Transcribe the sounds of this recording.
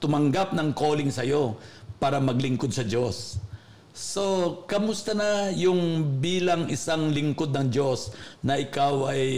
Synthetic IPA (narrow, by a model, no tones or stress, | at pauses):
t̪ʊmɐŋɡap̚nɐŋko̞ːlɪŋsɐjo̞paːɾɐmɐɡlɪŋkod̪̚sɐd͡ʒo̞sː | o̞kɐmʊst̪ɐnɐjʊŋbiːlɐŋɪsaŋlɪŋko̞d̪̚nɐŋd͡ʒo̞snɐʔɪkawʔɐj